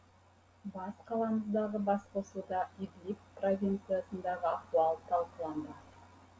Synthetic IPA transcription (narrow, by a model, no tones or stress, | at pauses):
bɑsqʰɑlˠɑməzd̪ɑʁəbɑsqosud̪ɑiblʲikprovʲijnt̪sɨjasənd̪ɑʁəak̚t̪uɑlˠət̪ʰɑlˠqəlˠɑnd̪ə